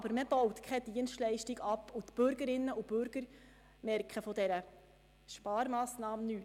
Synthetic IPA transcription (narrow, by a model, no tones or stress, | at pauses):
ɑbəɾməb̥ɔwtkʰɛd̥iənstlɛɪʃtiɡɑpːutb̥ʏɾɡəɾɪnːəʔub̥ʏɾɡ̥əɾ | mɛɾkʰχəfɔdɛɾə | ʃpɑːɾmɑːsnɑːmnyː